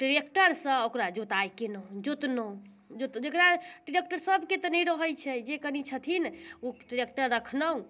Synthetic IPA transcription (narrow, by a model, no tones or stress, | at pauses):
ʈɾekʈəɾsə̃okɾad͡ʒot̪ajkenəɦũd͡ʒot̪nə̃ | d͡ʒot̪d͡ʒekɾaʈɾek̚ʈəɾsəbʱket̪ɔnɛjɾəɦəjt͡ʃʰɛd͡ʒekənit͡ʃʰət̪ʰinoʈɾek̚ʈəɾːəkʰnəɦũ